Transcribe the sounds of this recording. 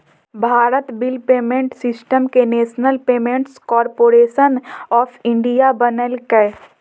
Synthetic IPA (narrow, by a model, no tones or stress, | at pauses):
bʱaːɾət̪bɪlpeːmẽɳʈsɪsʈəmkeneːʃnəlpeːmẽɳʈskɔːɾpoːɾeːʃənɔːfʰɪ̃ɳɖijabənəlkə